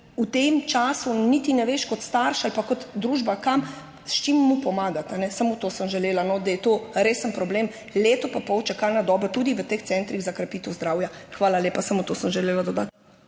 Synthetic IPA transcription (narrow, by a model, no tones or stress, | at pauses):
ut̪emt͡ʃaːsunit̪inɛʋeʃkɔt̪st̪aɾʃalpakɔt̪d̪ɾuːʒbakam | ʃt͡ʃimːupɔmaːɡat̪anɛsamot̪oːsəmʒɛleːlanɔd̪ajɛt̪oːɾeːsənpɾɔbleːm | leːt̪ɔpapɔwt͡ʃakalnad̪ɔːbɔt̪uːd̪iʋət̪ext̪sɛnt̪ɾiɣzakɾapiːt̪əwzd̪ɾaːwjaxʋaːlalʲeːpasamot̪osəmʒɛleːlad̪ɔd̪at̪